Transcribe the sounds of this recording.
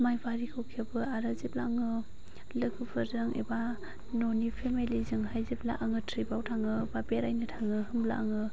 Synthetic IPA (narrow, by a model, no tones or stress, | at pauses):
majbaɾikʰɯwkʰebɯaɾɯzep̚laŋɯ | lɯkʰɯpʰɯzɯŋḛba | nonipʰemelizɯŋɦajzip̚la̰ʔaŋɯtʰɾibawtʰaŋɯbabeɾajnɯtʰaŋɯhɯmla̰ʔaŋɯ